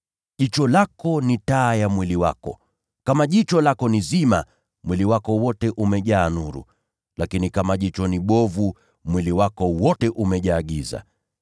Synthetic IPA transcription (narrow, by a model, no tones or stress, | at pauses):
ʄit͡ʃɔlakɔnitaːjamwiliwakɔ̰ | kamaʄit͡ʃɔlakɔnizima̰ | mwiliwakɔwɔtɛʔumɛʄaːnuɾṵ | lakinikamaʄit͡ʃɔniɓɔvu | mwiliwakɔwɔtɛʔumɛʄaːɠiza̰